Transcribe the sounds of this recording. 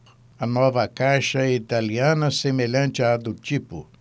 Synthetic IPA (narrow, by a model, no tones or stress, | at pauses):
ɐnɔvɐkajʃɐit̪aliɐ̃nɐsemeʎɐ̃nt͡ʃɪad̪ʊt͡ʃipʊ̰